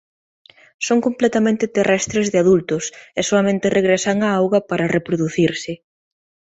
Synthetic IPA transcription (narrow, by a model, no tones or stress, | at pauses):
soŋkomplɛt̪amẽnt̪ɪt̪erɛst̪ɾezðɪaðult̪ʊsɛsoɐmẽnt̪ɪreɣɾesaŋaawɣɐpaɾɐrepɾoðuθiɾsɪ